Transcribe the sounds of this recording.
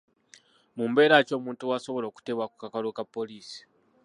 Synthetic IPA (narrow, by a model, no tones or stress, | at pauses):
muːmbe̞ːɾaco̞ːmuːntuwaso̞βo̞lo̞ːku̥te̞βwaku̥kakalukapːo̞liːsi̥